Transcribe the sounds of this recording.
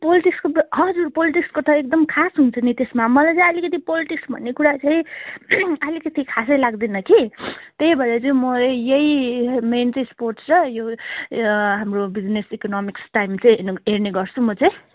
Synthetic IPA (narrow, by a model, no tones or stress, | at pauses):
poliʈikskoɦʌd͡zurpoliʈikskot̪ʰʌek̚d̪ʌmkʰasɦunt͡sʰʌnit̪esmamʌlajt͡sʌĩʌlikʌt̪ipoliʈiksbʱʌ̰nːekuɾat͡sʌj̃ | ʌlikʌt̪ikʰasʌjlaɡd̪inʌkit̪ejbʱʌɾet͡sʌ̃mʌlejejment͡sʌĩsporʈsɾʌjo | ɦamrobid͡znesikonɔmiksʈajmt͡sʌĩɦerneɡʌrt͡sʰumʌt͡sʌ̃j̃